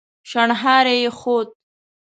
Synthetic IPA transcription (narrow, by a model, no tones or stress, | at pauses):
ʃaɳɦɑːɾejexoːt̪̚